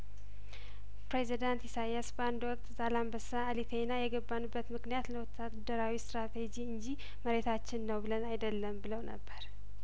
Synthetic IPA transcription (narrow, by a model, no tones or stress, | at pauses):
pɾezid̪ant̪jisajasbəand̪wɔk̚ʼt̪zalambəsaːlit̪ʰenajɛɡəbːanubːət̪mɨknijat̪ləwɔt̪ʰːad̪ːəɾawist̪ɾat̪ʰe̞d͡ʒiɨnd͡ʒi | məɾe̞t̪ʰat͡ʃːɪnːəwbɨlənajd̪əlːəmbɨləwnə̰bːəɾ